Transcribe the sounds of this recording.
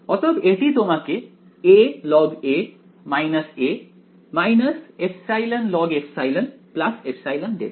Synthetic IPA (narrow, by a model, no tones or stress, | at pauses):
ɔt̪əbeʈit̪omake | elɔɡe | majnɐse | majnɐsepʰsajlənlɔɡefʰsajlənplasepʰsajlənɖḛ